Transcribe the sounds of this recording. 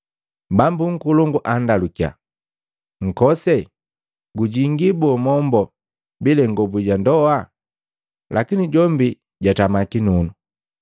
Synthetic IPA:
bambuŋ̩kulɔŋɡuʔandalukia̰ | ŋ̩kɔsɛ | ɡuɟiŋɡibɔmɔmbɔ | bilɛŋɡɔbuɟandɔa | lʔakiniɟɔmbi | ɟatamakinunu

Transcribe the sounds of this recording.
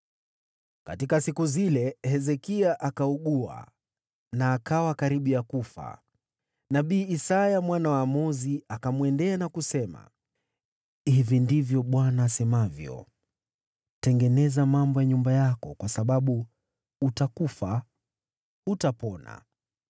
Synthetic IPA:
katikasikuzilɛhɛzɛkiaʔakauɠua̰ | naːkawakaɾiɓiakufa̰ | naɓiːsajamwanawamɔziakamwɛndɛanakusɛma̰ | hivindivjɔɓwanaːsɛmavjɔ̰ | tɛŋɡɛnɛzamambɔjaɲumbajakɔkwasaɓaɓu | utakufa | utapɔna̰

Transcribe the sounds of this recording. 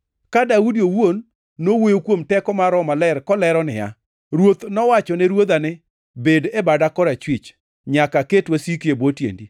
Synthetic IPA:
kadaudiowonː | owojokwomtɛkɔmaɾɔmalɛɾkɔlɛɾɔnɪ̰ja̰ | ɾwot̪nɔwat͡ʃɔnɛɾwod̪anɪ | bedebadakɔɾat͡ʃwit͡ʃ | ɲakaketwasikebotjḛndi

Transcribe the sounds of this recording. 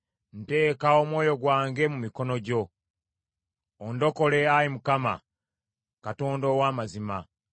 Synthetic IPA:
n̩te̞ːkao̞mwo̞ːjo̞ɡwaːŋɡe̞mumiko̞no̞ɟo̞ | ndo̞ko̞le̞aɾimukama̰ | kato̞ːndo̞ːwaːmazima

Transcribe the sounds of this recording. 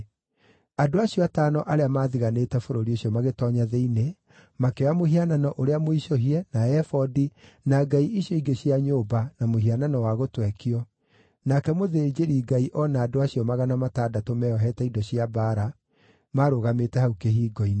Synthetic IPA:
adoaɕiɔataːnɔʔaɾeamaːðiɣaneːtɛfoɾoɾioɕijɔmaɣetɔɲaðeine | makewamoɦiananɔʔoɾeamoiʃoɦiɛnaɛfɔdi | naɡaiʔiɕjɔiɡeɕiaɲoːbanamohiananɔwaɣotwɛkiɔ | nakɛmoðed͡ʑeɾiɡaiʔɔnaːdoaɕiɔmaɣanamataːdatomɛɔɦɛtɛidɔɕiabaːɾa | maːɾoɣametɛhaukeɦiːɡɔine

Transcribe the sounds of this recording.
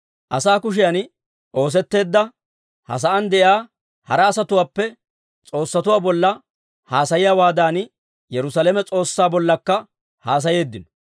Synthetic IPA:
ʔɐsaːkʊʃ̬ɪjɐn | ʔo̞ːs̬ɛt̪ːe̞ːd̪ːɐ | hɐ̰s̬ɐʔɐnd̪ɛʔaː | hɐɾɐːsɐt̪ʊwaːpːɛ | t͡sʼo̞ːsːɐt̪ʊwaːbɔlːɐ | haːsɐjɪjawaːd̪aːn | jɛɾʊsɐlɛmɛt͡sʼo̞ːsːaːbɔlːɐkːɐ | haːs̬ɐje̞ːd̪ːɪnɔ

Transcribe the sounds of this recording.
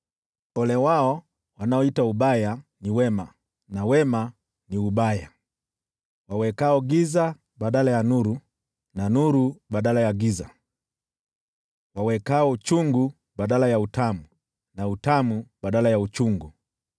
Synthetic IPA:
ɔlɛwaɔ | wanaɔitauɓajaniwɛma | nawɛma | niuɓaja | wawɛkaɔɡiza | ɓaɗalajanuɾu | nanuɾuɓaɗalajaɡiza | wawɛkaɔut͡ʃuŋɡu | ɓaɗalajautamu | nautamuɓaɗalajaut͡ʃuŋɡu

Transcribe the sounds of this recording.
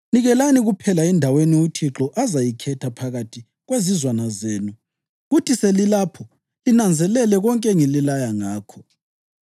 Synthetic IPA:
niɣɛlaniɣupʰɛlaɛndʱaweniutʰiǁɔʔazajikʰɛtʰapʰaɣatʰi | ɣwezizwanazeːnu | ɣutʰiselilapʰɔ | linand͡zʱɛlɛlɛɣɔŋkʼɛŋililajaŋaːkʰɔ

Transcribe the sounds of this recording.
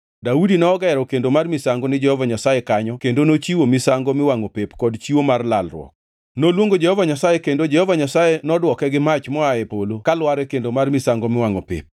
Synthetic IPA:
daudinɔːɡaɛɾɔkendomarmɪsaŋɡonɪd͡ʒɛhɔvaɲasajekaɲɔkendonot͡ʃiwomɪsaŋɡomɪwaŋopepkɔdt͡ʃiwomarlalrwɔ̰k̚ | nolwoŋɡod͡ʒɛhɔvaɲasajekendod͡ʒɛhɔvaɲasajenɔdwɔkɛɡɪmat͡ʃmɔaepolokalwaɾɛkendomarmɪsaŋɡomɪwaŋo̰pḛp̚

